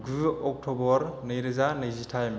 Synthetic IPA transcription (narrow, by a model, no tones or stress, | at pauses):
ɡɯɔk̚tʰɔbɔɾnɯjɾɯzanɯjzitʰajm